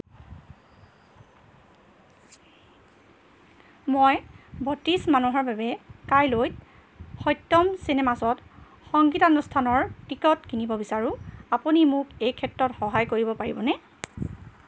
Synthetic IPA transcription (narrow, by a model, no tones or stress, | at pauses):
mɔjbɔtismanuɦɔɹbabɛkajlojt | xɔjtːɔmsinɛmasɔt | xɔŋɡitanustʰanɔɹkikɔtkinibɔbisaɹũapunimʊkejkʰɛtːɹɔtxɔɦajkoɹibɔpaɹibɔnɛ